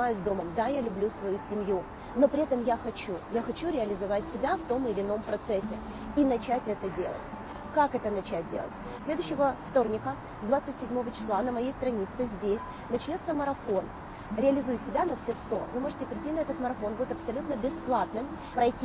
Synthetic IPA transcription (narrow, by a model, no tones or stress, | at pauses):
ajʊsʲd̪o̞məmd̪ajalʲʉblʲusvɐjusʲɪmju | no̞pɾʲɪɛt̪əmjaxɐt͡ɕujaxɐt͡ɕuɾʲɪɐlʲɪzɐvatʲsʲɪbʲaft̪o̞mɨlʲɪno̞mpɾɐt̪sɛsʲːɪ | inɐt͡ɕætʲɛt̪ədʲe̞̰lˠə̰tʲ | kakɛt̪ənɐt͡ɕæt̚ʲdʲelˠə̰tʲ | sʲlʲe̞d̪ʊɕːɪvəft̪o̞rnʲɪkə | zd̪vat̪sɨtʲsʲɪdʲmo̞vət͡ɕɪ̥slˠanəmɐjejst̪ɾɐnʲit̪sɨzʲdʲesʲ | nɐt͡ɕnʲo̞t̪sːəməɾɐfo̞n | ɾʲɪɐlʲɪzujʊsʲɪbʲanɐfsʲest̪o̞̰vɨmo̞ʐɨtʲɪpɾʲɪtʲinɐɛt̪ət̪məɾɐfo̞nbudʲɪt̪ɐpsɐlʲut̪nəbʲɪsplˠat̪nɨm | pɾɐjtʲi